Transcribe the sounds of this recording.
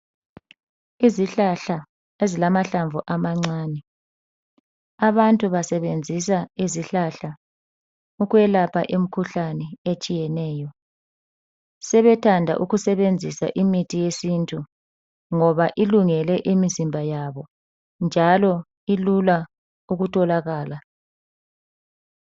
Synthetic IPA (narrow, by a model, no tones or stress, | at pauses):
iziɬaɬa | ezilamaɬaɱvʱuʔamaŋ͡ǀaːnɛ | aβantʼuβasɛβend͡zʱis̬aiziɬaɬa | uɣwɛlapʰa̰ʔem̩kʰuɬanɛet͡ʃʼijɛnɛːjɔ | sɛβɛtʰandʱa̰ʔuɣusɛβend͡zʱisa̰ʔimitʰʼijesintʰʼu | ŋɔβaʔiluŋɛlɛʔimizimbʱajaβɔ | nd͡ʒʱalɔ | ilula | uɣutʰʼɔlaɣaːla